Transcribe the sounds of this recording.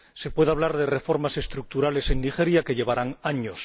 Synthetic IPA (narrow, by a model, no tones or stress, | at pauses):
se̞pwe̞ðaβlaɾðe̞re̞fo̞ɾmase̞st̪ɾuk̚t̪uɾale̞se̞nːixe̞ɾjakeʎe̞β̞aɾaŋaɲos